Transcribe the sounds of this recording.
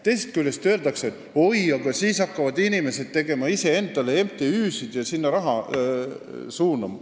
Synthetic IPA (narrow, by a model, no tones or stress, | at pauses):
t̪e̞jset̪kylʲːe̞st̪øːld̪ɑkseet̪ːˑ | o̞jɑɡ̥ɑsiːsɑkːɑvɑd̪inime̞se̞d̪̥̚t̪e̞ɡ̥e̞mɑise̞e̞nd̪̥ɑle̞emt̪eyːsid̪̥jɑsinːɑɾɑɦɑ | suːnɑmɑ